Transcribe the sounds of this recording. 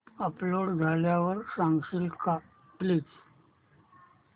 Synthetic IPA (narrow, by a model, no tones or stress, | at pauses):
əploɽd͡zʱaljaʋəɾsãŋɡɕilka | pliːs